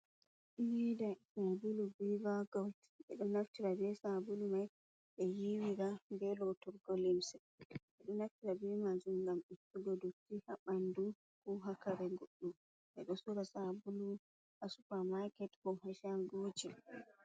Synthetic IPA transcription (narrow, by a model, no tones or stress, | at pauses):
nidasabulubivaɡɔlt | ɓɛ̰ɗɔnaftiɾabɛsabulumaj | ɓɛjiwiɾamɡɛlɔtɔɾɡɔlimsɛ | ɓɛɗɔnaftiɾabɛmad͡ʒumɡamitːuɡɔdotːihaɓandu | kuɦakaɾɛŋɡoɗːu | ʔɛɗɔsuɾasabulu | ʔasu̥pamakɛthɔhaʃaŋɡud͡ʒi